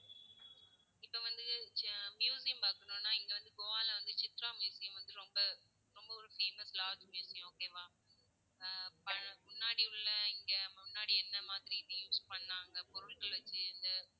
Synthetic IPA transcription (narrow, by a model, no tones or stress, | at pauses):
ɪpːɐʋɐnd̪ɯmjuːsɪjɐmpaːkɐɳõːnːaːɛŋɡɐʋɐnd̪ɯɡɔʋãːlɐʋɐnd̪ɯt͡ʃɪt̪ɾaːmjuːsɪjɐmʋɐnd̪ɯɾɔmbɐ | ɾɔmbɐɔɾɯfeːmɐslaːd͡ʒmjuːsɪjʊ̃oːkːeːʋãː | pɐmʊɳːaːɽiʊɭːɐɪŋɡɐmʊnːaːɽiɛnːɐmaːðɪɾijuːspɐɳːaːŋɡɐpɔɾɯɭkɐlʋɐt͡ʃːɯnd̪ɯ